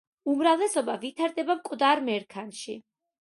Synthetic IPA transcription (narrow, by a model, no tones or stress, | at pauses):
umɾavlɛsɔbavit̪ʰaɾd̪ɛbamkʼvd̪aɾmɛɾkʰanʃḭ